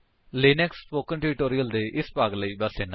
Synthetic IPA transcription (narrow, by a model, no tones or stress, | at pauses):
leːnɛkspoːkənʈeːɾɪʈoːɾiəld̪eːʔɪspaːɡləiːbəsd̪eːna